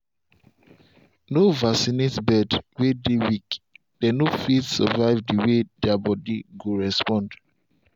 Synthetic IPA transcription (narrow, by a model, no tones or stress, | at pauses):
novasinetbɛdwedewik | d̥ɛnofitsɔvaɪvdiwedabɔdiɡoɹɛspɔ̃nd